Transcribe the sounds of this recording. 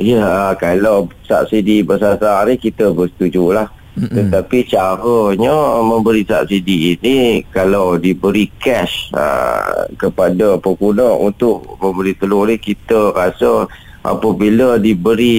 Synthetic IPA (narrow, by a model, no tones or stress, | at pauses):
jəkalawsa̰p̚sidibəsasanikit̪əbəsə̥t̪ud͡ʒulah | t̪ət̪apit͡ʃaɾəɲəmə̃mbəɾisa̰p̚sidiːnikalawdibəɾikɛʃə̰kəpadəpəkunɔʔṵnt̪ʊʔməmbəɾit̪əlʊnikit̪əɾasə | ʔa̰pəbilədibəɾi